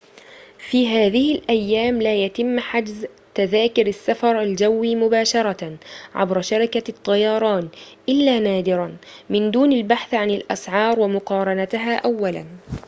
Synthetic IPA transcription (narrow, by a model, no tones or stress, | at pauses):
fiːɦaːðɪhɪlʔajːaːmlaːjat̪ɪmːħad͡ʒz | t̪aðaːkʊɾasːafɑɾˤald͡ʒawːiːmʊbaːʃɑɾˤɑʕa̰bɾʃɑɾɪkat̪ˤːɑjɑːɾˤɑːnʔɪlːaːnaːd̪ɪɾˤamɪnd̪uːnalbaħθʕanɪlʔa̰sʕɑːɾˤwamʊqɑːɾˤɑnat̪ɦaːʔawːala̰n